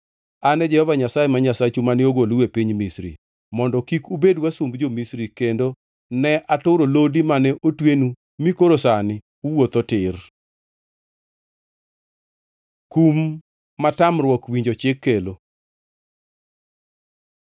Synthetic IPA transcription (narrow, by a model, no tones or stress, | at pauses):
anɛd͡ʒɛhɔvaɲasajɛmaɲasat͡ʃumanɪoɡoluwepiɲmisɾḭ | mɔndɔkikubedwasumbd͡ʒomisɾikendo | nɛʔatʊɾolodimanɛʔotwenu | mikoɾosanɪ | uwot̪otɪr | kumː | atamrwɔkwiɲd͡ʒot͡ʃɪkːelo